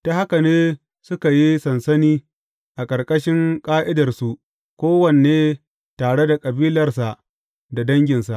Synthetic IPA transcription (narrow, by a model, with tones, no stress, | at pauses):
ta˦ha˦ka˨neː˦ | sʊ˦ka˨ji˦sɐ˨nsɐ˦niː˦ | ʔa˨kʼɐ˨rkʼɐ˦ʃɪ˦ŋkʼaː˦ʔɪ˦dɐ˨rsu˨ | kʷoː˦wɐ˨nː˨eː˦ | taː˨ɽe˦da˨kʼɐ˨biː˦lɐ˨rsa˨ʔ | da˨dɐ˦ŋɡʲɪ˨nsa˨ʔ